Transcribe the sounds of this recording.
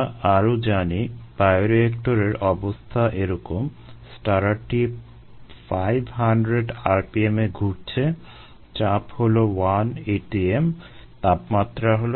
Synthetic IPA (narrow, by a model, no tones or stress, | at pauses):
aɾod͡ʑanipajoɾekʈoɾeɾɔbost̪ʰaʔeɾɔkom | sʈaɾaʈi | fajbʱɦaɳɖɾeɖaɾpiemeɡʱuʈt͡ɕʰe | t͡ɕapholowaneʈiem | t̪apmat̪ːɾaɦolo